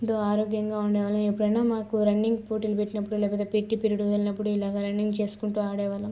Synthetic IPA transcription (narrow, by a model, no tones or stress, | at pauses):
ind̪oːaːɾoːɡjɐŋɡaːuɳɖɛːʋaːlɐmepːuɽɐjnaːmaːkuɾɐɳɖiŋɡpoːʈiːlupeʈːinɐpːuɽulɛːpɐt̪epeʈːipiɾuɽud̪ɐlinɐpːuɽuilaːɡaːɾɐɳɖiŋɡt͡ʃe̞ːsu̥kuɳʈuːaːɽɛːʋaːlɐm